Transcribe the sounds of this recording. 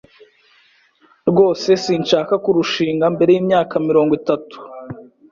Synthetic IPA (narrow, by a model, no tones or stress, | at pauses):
ɾɡo̞ːse̞siːnʃaːkakuɾuʃiːŋɡambe̞ɾe̞jiːmɲaːkamiɾo̞ːŋɡwitatu̥